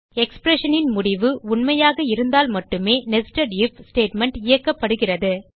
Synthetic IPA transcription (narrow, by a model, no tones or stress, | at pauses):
ɛkspɾɛʂɐnɪnmʊɽɪʋɯʊɳmɐjaːɣɐɪɾɯnd̪aːlmɐʈːɯmeːnɛsʈɐɖɪfsʈeːʈmɛɳʈɪjɐkːɐpːɐɽɯɣɪrɐðɯ